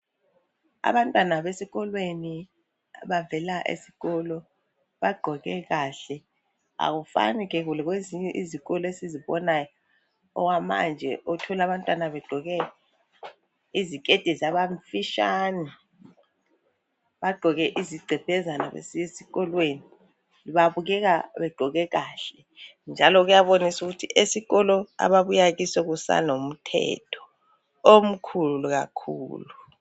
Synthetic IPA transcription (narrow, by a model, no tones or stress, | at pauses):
a̰βantʼwanaβesiɣɔlweni | ɓavɛlaʔḛsi̥ɣɔlɔ | ɓaɡ͡ǃʱɔɣɛɣaːɬɛ | a̰ɣ̬ufa̰nikɛɣ̬ulɛɣweziɲɛʔiziɣɔlɔesiziɓɔnajɔ | ɔ̰kwama̰nd͡ʒʱɛ̰ʔutʰɔlaβantʼwanaβɛɡ͡ǃʱɔɣɛ | izikʼed̥ʱizaɓaɱfiʃaːni | ɓaɡ͡ǃʱɔɣɛʔiziɡ͡ǀʱɛb̥ʱɛzanaɓḛsijesiɣɔlweni | ɓaɓuɣ̬ɛaɓɛɡ͡ǃʱɔɣɛkaːɬɛ | nd͡ʒʱalɔk̬ujaɓonisukutʰiʔesiɣɔlɔa̰ɓaɓujak̬isɔk̬usa̰nom̩tʰɛ̰tʰɔ̥ | om̩kʰuluɣ̬a̰kʰṵːlu